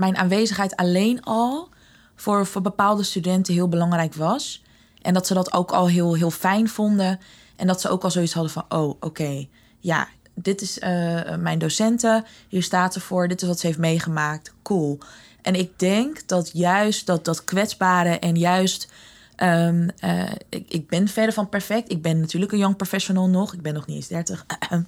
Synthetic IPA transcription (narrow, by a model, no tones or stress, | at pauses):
mɛjnʔa̰ːnʋejzəχɦɛjtalejnɑlˠ | fʊːɹvʊːɹbəpaːlˠdəstydɛntəɦɪːlˠbəlɑŋrɛjkʋɑs | ʔɛndɑtsədɑto̰wkʰɑ̰lˠɦɪːlˠɦɪːlˠfɛjnvʊndə | ʔɛndɑtsəo̰wkɑlˠzowitsɦɑdəfɑnʔowʔowkej | ja̰ | dɪtɪsəmɛjndosɛntəhiːɹstaːtsəfʊːɹdɪtɪsʋɑtsəɦejftmejχəmaːk̚tkulˠ | ʔɛnɪɡ̚dɛŋkd̥ɑtjœɥst̚dɑt̚dɑtkʋɛtzbaːɾəʔɛnjœɥst | ʔəmə̰ɪ̰ɪɡ̚bɛnfɛɹdəɹvɑnpɛɹfɛk̚tɪɡ̚bɛnːatyːɹləkənjɔŋprofɛʃonɪlˠnɔχɪɡ̚bɛnːɔχnienzdɛɹtəχ